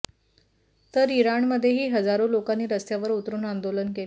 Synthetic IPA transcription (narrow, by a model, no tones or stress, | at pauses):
t̪əɾiɾaɳməd̪ʱːjeɦiːɦəd͡zaɾolokanːiːɾəst̪jaʋəɾut̪ɾuːnand̪olənkel